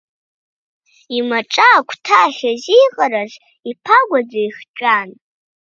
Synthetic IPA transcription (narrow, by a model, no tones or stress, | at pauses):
imaʈ͡ʂʼaːkʷʰtʰaχʲazijqʼaɾazʷ | ipʰaɡʷad͡zaiχt͡ʃʷʼan